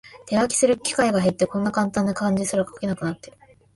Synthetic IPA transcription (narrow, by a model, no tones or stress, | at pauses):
t̪e̞βakʲi̥sɨɾɯ̟kʲi̥kaiɡaɦe̞t̪ːe̞kõ̞nːakãnt̪ãnːakãɲ̟d͡ʑisɨɾakḁkʲe̞nakɯ̟nat̪ːe̞ɾɯ